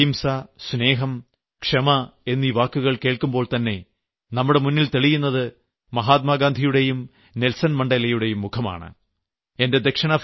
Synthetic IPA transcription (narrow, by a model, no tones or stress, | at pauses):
imsɐsne̞ːɦɐm | kʂɐmɐe̞nːiːʋaːkːuɣɐɭke̞ːɭkumbo̞ːɭt̪ɐnːe̞ | nɐmːuɽe̞munːilt̪eɭijunːɐðɨ | mɐɦaːt̪̬̚maːɡaːnd̪ʱijuɽe̞jum | nelsɐnmɐɳɖɐlɐjuɽe̞jumːukʰɐma̰ːɳɨ̰ | e̞nde̞d̪ekʂɐɳɐ